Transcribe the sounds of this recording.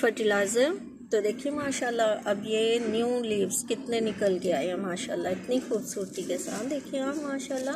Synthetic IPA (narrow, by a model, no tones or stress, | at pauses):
fəʈilaːɪzəm | t̪od̪eːkʰiemaːʃaːlːaɐbjenjũliːʋskɪt̪nenɪkəlɡeaːɦeamaːʃa̰ːlːaɪt̪nixuːbsuːɾt̪ikesa̰ːt̪d̪eːkʰiẽammaːʃaːlːa